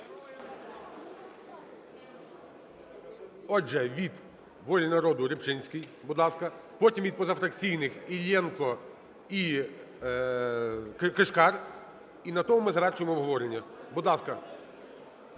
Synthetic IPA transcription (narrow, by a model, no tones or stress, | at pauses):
ɔd͡ʒɛʋʲid̪ | ʋɔlʲinɐɾɔd̪ʊɾʲɪpt͡ʃɪnʲsʲkijbʊd̪lˠɑskɐ | pɔtʲimʋʲid̪̚pɔzɐfɾɐkt͡sʲijnɪxilʲɛnkɔ | i | kkeʃkɑr | inɐt̪ɔmʊmɪzɐʋɛrt͡ʃʊjemɔːbɦɔʋɔɾenʲːɐbʊd̪lˠɑskɐ